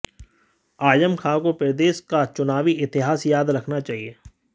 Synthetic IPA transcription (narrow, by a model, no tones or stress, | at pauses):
aːjəmkʰaːkopɪɾd̪eːskat͡ʃʊnaːʋiʔɪt̪ɪɦaːsjaːd̪ɾɐkʰnat͡ʃaːɦieː